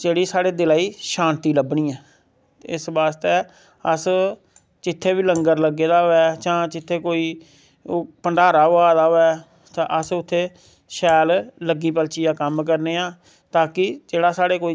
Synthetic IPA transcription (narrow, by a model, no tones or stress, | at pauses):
d͡ʒeːɽiːsaːɽeːd̪ɪlaːiːʃãːnt̪iːləbɳĩːɛ̃ː | ɪsbaːst̪eː | əs | t͡ʃɪt̪ʰːeːʋiːləŋɡəɾləɡeːd̪aːoɛːt͡ʃãːt͡ʃɪt̪ʰːeːkoːiː | pəɳɖaːɾaːʊaːd̪aːoːɛː | t̪aʔəsʊt̪ʰːeː | ʃɛːlləɡːiːpəlt͡ʃiːaːkəmk̬əɾneːaː | t̪aːkɪd͡ʒeːɽaːsaːɽeːkoːi